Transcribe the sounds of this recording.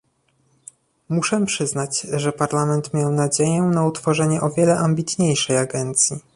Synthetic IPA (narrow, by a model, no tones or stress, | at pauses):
muʂɛpʂɘznat͡ɕʐɛpaɾlamɛnt̪mʲjawnad͡ʑejɛnaut̪fɔʐɛɲɛʔɔvʲjɛlɛʔambʲit̪ɲejʂɛjaɡɛnt̪sʲji